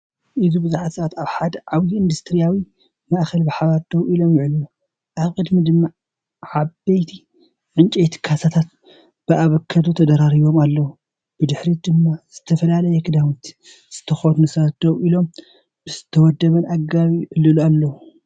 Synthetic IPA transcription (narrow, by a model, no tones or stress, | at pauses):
ʔɨzubɨzuħat̪sɐat̪aβħad̪ɐʕaβiɨnd̪ust̪ʰɨɾijawi | maʔxɐlbɨħaβaɾd̪̥ɐwilo̞mjɪʕɨlu | ʔaβkʼɨd̪mid̪ɨmːa | ʕaβbɐjt̪ʰi | ʕɨnt͡ʃʼejt̪ʰɨ̥kʰasat̪ʰat̪̚ | b̥ɨʔaβɐkʰːɐd̪ut̪ʰɐd̪ɐɾaɾiβo̞malːɐu | b̥ɨd̪ɨħɾid̪ɨmːaz̥ɨt̪ʰɐfɐlalɐjɛkʰɨd̪amit̪ʰ | z̥ɨ̥t̪ʰɐxonunɨsat̪d̪̥ɐwʔilo̞m | bɨz̥ɨt̪ʰɐwɔd̪ːɐβɐnʔaɡaβiʔɨlːɨlualːɐwu